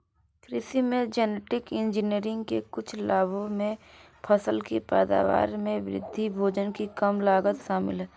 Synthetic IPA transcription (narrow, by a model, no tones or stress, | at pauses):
kɾɪsimẽd͡ʒɛneʈɪkɪ̃nd͡ʒɪniəɾɪ̃ŋɡkekʊt͡ʃʰlaːbʱomẽ | pʰəsəlkipɛːd̪a̰ːʋa̰ːɾmẽʋɾɪ̰d̪ʱːibʱoːd͡ʒənkikəmlaːɡət̪ʃaːmɪ̰lɦɛː